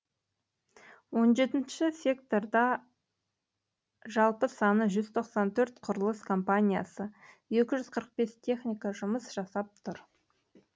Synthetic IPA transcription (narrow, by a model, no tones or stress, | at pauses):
wo̞nʒe̞t̪ɪnʃɪsʲe̞kt̪o̞rd̪ɑ | ʒɑlˠpəsɑnəʒʏzt̪ʰo̞qsɑnt̪ʰɵɾt̪qʰʊɾəlˠəskʰo̞mpanʲija̰sə | je̞kʲɪʒʏz̥qʰəɾəq̚be̞st̪ʲʰe̞χnʲijkɑʒʊməsʒ̥ɑsɑp̚t̪ʰʊɾ